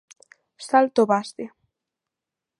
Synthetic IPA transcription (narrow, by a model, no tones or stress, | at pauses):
salt̪oβast̪e